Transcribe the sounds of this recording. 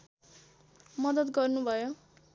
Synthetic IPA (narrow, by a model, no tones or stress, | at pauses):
mʌd̪ʌt̪ɡʌrnubʱʌjo